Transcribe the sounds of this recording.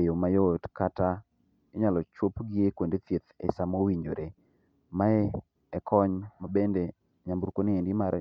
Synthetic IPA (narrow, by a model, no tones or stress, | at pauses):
ejomajotkata | ɪɲalɔt͡ʃwopɡɪekwendet̪jet̪ɛ̰samowiɲo̰ɾe | maɛ | ɛkʰɔɲmabende | ɲambuɾkonɪenɡɪmaɾɛ